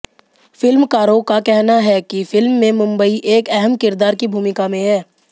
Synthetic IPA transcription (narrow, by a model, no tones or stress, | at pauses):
fɪlmkaːɾokakɛɦnaɦɛkifɪlmːẽmʊ̃mbəiʔeːkɛɦəmkɪɾd̪aːɾkibʱuːmɪkamẽɦɛː